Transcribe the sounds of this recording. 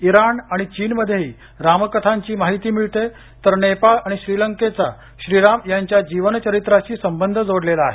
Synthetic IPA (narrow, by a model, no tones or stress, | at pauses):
iɾanaɽ̃it͡ɕiːnməd̪ʱːjeɦiː | ɾaməkət̪ʰaɲt͡ɕiːmaɦit̪iːmiɭt̪e | t̪əɾnepalaɽ̃iɕɾiləŋket͡sa | ɕɾiɾamjaɲt͡ɕjad͡ʑiʋənt͡ɕəɾit̪ɾat͡ɕiːsəmbənd̪ʱəd͡zoɽlelaːɦe